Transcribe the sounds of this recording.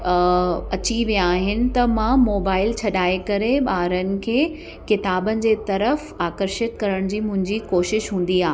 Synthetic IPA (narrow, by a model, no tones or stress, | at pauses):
ɐt͡ɕiʋijãaːɦɪnɪ̆t̪ɐmãmoːbaːɪlt͡ɕʰɐɗaːekɐɾeɓaːɾənɪ̆kʰeː | kɪt̪aːbənɪ̆d͡ʑeːt̪ɐɾəf | aːkəɾʃɪt̪kɐɾəɽ̃d͡ʑiːmʊ̃ɦɪ̃ɲd͡ʑikoːʃɪʃɦũːn̆d̪iaː